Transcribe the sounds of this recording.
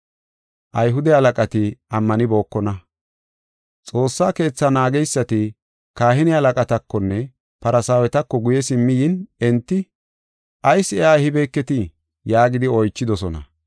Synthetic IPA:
ʔɐjɦʊd̪ɛhɐlɐkʼɐt̪ɪɐmːɐnɪbo̞ːkːɔnɐ | t͡sʼo̞ːsːaːke̞ːt͡sːɐnaːɡɛjsːɐt̪ɪ | kaːɦɪnɪhɐlɐkʼɐt̪ɐkːɔnːɛ | pɐɾɐsaːwɛt̪ɐkːɔɡʊjɛsɪmːɪjɪnɛnt̪ːɪ | ʔɐjsɛʔaːhɪbɛːkːɛt̪ɪ | jaːɡɪd̪ɪɔjt͡ʃːɪd̪ɔsɔnɐ̰

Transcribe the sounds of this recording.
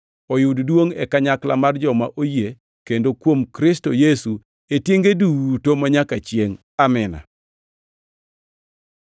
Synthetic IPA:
ɔjʊddwoŋɛ̰kaɲakla̰mard͡ʒɔmaʔoje | kendokwomkɾɪstojesu | etjeŋɡeduwtomaɲakat͡ʃjeŋ | amɪna̰

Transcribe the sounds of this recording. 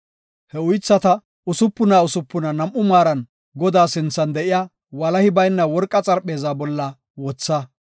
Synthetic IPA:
hɛʊjt͡sːɐt̪ɐ | ʊsʊpːʊnaːʊsʊpːʊnɐnɐmʔːʊmaːɾɐn | ɡɔd̪aːsɪnt͡sːɐnd̪ɛʔɪjaː | wɐlɐhɪbɐjnːɐwɔɾkʼːɐt͡sʼɐɾpʼːe̞ːzaːbɔlːɐ | wɔt͡sːɐ

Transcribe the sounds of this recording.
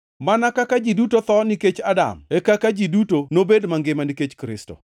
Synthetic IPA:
manakakad͡ʒidutot̪ɔniket͡ʃada̰mekakad͡ʒidutonobedmaŋɡɪmaniket͡ʃkɾɪsto̰

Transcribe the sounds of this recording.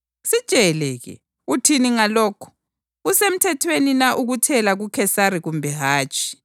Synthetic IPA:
sid̥t͡ʃʼɛlɛɣɛ̰ | utʰiniŋalɔːkʰɔ̥ | usem̩tʰɛtʰweninaʔuɣutʰɛlaɣukʰɛsaɾiɣumbʱɛɦaːt͡ʃʼi̥

